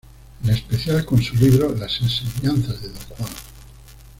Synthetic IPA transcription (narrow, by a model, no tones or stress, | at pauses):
lespeθjalkonsuliβɾolasenseɲãnθazðeðokwan